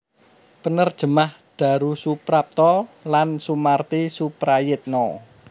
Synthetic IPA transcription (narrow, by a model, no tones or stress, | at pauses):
pənərd̥ʒ̥ə̤mahd̥ä̤ɾusupɾap̚t̪ɔlansumart̪isupɾajɪt̪̚nɔ